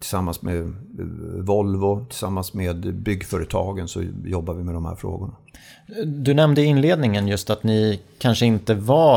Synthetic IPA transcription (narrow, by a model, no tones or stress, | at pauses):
t̪ʰɪlsamːansme | vɔlvʊt̪ʰɪlsamːansmeːd̪bʏɡːfœːɾət̪ʰɑːɡənsɔ̰jɔbːaɾvɪmɛd̪ɔmhæ̰ɾfɾo̰ːɡʊɳa | d̪ɵnɛmd̪əɪnleːd̪nɪŋənjɵst̪at̪nɪkʰanʂəɪnt̪əva